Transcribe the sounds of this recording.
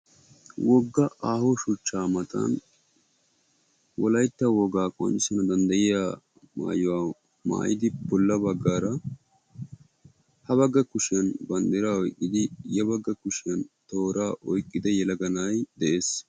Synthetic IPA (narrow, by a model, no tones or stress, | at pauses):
wɔɡːɐʔaːhɔʃʊt͡ʃːaːmɐt̪ɐ̰n | wɔlɐjt̪ːɐwɔɡaːkʼɔ̰nɪsɛnɐd̪ɐnd̪ɐjɪjaː | ma̰ːjʊwaː | ma̰ːjɪd̪ɪbɔlːɐbɐɡːaːɾɐ | hɐβɐɡːɐkʊʃɪjɐnbɐnd̪ɪɾaːɔjkʼːɪd̪ɪjɛbɐɡːɐkʊʃɪjɐnt̪oːɾaːʔɔjkʼːɪd̪ɛjɛlɐɡɐnaːjd̪ɛʔe̞ːs